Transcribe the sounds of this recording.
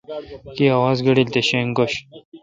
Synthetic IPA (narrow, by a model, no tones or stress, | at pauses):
kiɐwaːzɡɐɽilt̪eɕeŋɡoɕ